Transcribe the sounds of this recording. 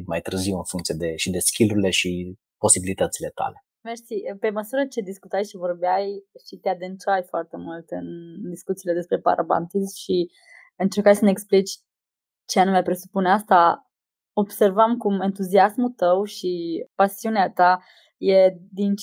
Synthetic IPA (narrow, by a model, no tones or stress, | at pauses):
ma̰jt̪ɾəziwɨnfuŋkt̪sijed̪e̞ʃid̪eskʲiluɾile̞ʃi | po̞sibilit̪ət̪sile̞t̪a̰le̞ | merʃsiəpe̞məsuɾət͡ʃe̞d̪iskut̪ajʃivo̞rbeajʃit̪ead̪ɨnt͡ʃajfoart̪e̞mult̪ɨnd̪iskut̪siːle̞d̪e̞spɾe̞pa̰ɾʔa̰ba̰nt̪ismʃi | ɨnt͡ʃerkajsəneeksplit͡ʃʲ | t͡ʃeanumepɾe̞supuneast̪a | o̞b̥se̞rvamkument̪uziasmut̪əwʃipasiuneat̪a | je̞d̪int͡ʃ